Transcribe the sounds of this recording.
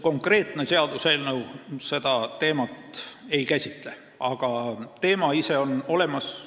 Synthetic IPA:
ko̞ŋkre̞ːt̪ˑne̞se̞ɑd̪̥use̞ːlnɤwse̞d̪̥ɑt̪e̞ːmɑt̪e̞jkæsʲit̪ˑle̞ | ʔɑɡ̥ɑt̪e̞ːmɑise̞o̞no̞le̞mɑs

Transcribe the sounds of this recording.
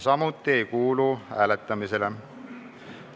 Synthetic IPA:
sɑmut̪ːie̞jkuːluhæːlet̪ˑːɑmisele

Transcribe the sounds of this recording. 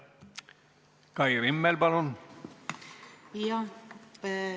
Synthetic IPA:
kɑjrimːelbɑlon | jɑ

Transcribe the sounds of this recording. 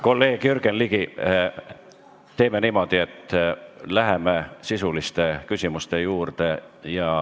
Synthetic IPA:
ko̞lːe̞ːɡ̥jyrɡ̥enliɡ̥i | t̪e̞ːme̞niːmo̞d̪̥ie̞t̪ːˑlæɦemesisulist̪e̞kysʲimust̪e̞juːrd̪̥e̞jɑ

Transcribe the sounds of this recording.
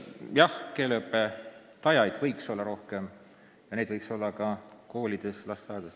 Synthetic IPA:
jɑhke̞ːleɤpːe | t̪ɑjɑjd̪̥vɤjkso̞lːɑɾo̞hke̞m | jɑned̪vɤjkso̞lːɑkɑko̞ːlʲid̪̥e̞slɑst̪ɑjd̪̥es

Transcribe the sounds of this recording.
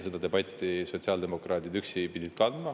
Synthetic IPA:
se̞d̪̥ɑd̪e̞bɑt̪ʲˑːiso̞t̪siɑld̪e̞mo̞krɑːt̪id̪yksipid̪ʲid̪̥̚kɑnd̪̥mɑ

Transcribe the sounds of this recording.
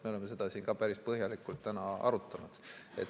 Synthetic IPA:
meo̞le̞mːe̞se̞d̪̥ɑsiːnkɑːpæɾispɤɦjɑlikˑult̪ːænɑɑ̰ɾut̪ːˑɑnud̪̥e̞̰t̪

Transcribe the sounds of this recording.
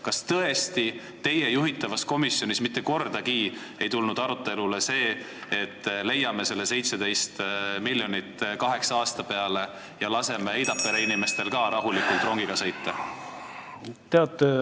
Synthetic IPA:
kɑst̪ɤe̞st̪i | t̪e̞je̞juɦit̪ːˑɑvɑsko̞misjo̞nʲismit̪ːe̞ko̞rd̪̥ɑkiː | e̞jt̪ulnud̪̥ɑɾut̪ːˑe̞lule̞se̞ː | et̪ːle̞jːɑme̞se̞lːe̞se̞jt̪se̞d̪e̞jst̪milːjo̞nit̪ːˑkɑɦe̞ksɑɑːst̪ɑpe̞ɑle̞ | jɑlɑse̞meejd̪̥ɑpːˑe̞ɾeinime̞st̪e̞lkɑːɾʔɑɦulikult̪ro̞ŋɡ̥iɡ̥ɑsɤ̞jt̪ːe | t̪eɑt̪ːˑe

